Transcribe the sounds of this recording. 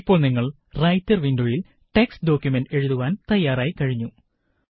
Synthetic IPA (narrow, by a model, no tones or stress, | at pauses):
pːo̞ːɭniŋːɐɭ | rɐjtːɐrʋindo̞ːjil | ʈeksɖo̞ːkjumenɖe̞ɻuðuʋaːnt̪ɐjːaːɾaːjikɐɻiɲːu